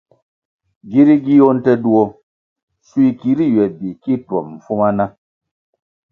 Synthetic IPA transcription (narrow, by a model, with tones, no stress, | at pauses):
ɡi˦ɾi˦ɡi˦jo˦n̩˦tɛ˧du˦˨o˧ | su˦i˧ki˦ɾi˦˨ɥɛ˨bi˨ki˦˨twɔ˨mm̩˨fu˦ma˦na˦